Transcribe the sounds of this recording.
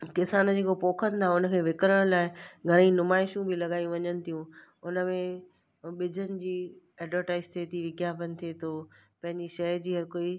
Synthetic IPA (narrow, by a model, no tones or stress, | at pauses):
kɪsaːnəd͡ʑeːkopoːkʰənɪ̆t̪ʰaʊnə̆kʰeːʋɪkɾəɽ̃laːɪɡʱɐɽ̃ĩnʊmaːɪʃũbʱɪlɐɠaːijũʋɐɲənɪ̆t̪ʰijũ | ʊnə̆mẽ | ɓɪd͡ʑʱənɪ̆d͡ʑiː | ɛːɖʋəɾʈaːɪzt̪ʰet̪ʰiʋɪɡjaːfənɪ̆t̪ʰiet̪ʰoːpɐ̃ɦɪ̃ɲd͡ʑiʃɐjd͡ʑiːɦɐɾkoːi